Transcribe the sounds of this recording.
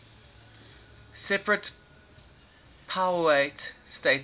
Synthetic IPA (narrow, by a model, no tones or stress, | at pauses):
sɛpɹət | pʰaʊwetstet